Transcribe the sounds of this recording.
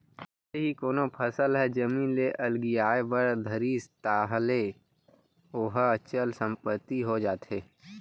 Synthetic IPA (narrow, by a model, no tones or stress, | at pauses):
seɦikoːnopʰəsəlɦɛd͡ʒəmĩːnleʔɐlɡijaːebəɾd̪ʱəɾiːst̪aːɦle | oɦət͡ʃəlsə̃mpət̪ːiɦod͡ʒaːt̪ɦeː